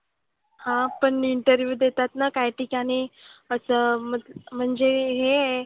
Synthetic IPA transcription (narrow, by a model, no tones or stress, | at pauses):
hãpəɳiɳʈəɾʋjuːd̪et̪at̪nakajʈʰikaɽ̃iəsəmət̪m̤əɳd͡zeɦe